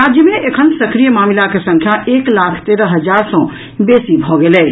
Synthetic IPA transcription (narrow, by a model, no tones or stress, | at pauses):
aːd͡ʒjəmẽʔekʰənsɐkɾijəmaːmilakesɐ̃ŋkʰjaʔeːklaːkʰt̪eːɾəɦɐd͡ʒaːɾsɔ̃ | beːsibʱoɡeleː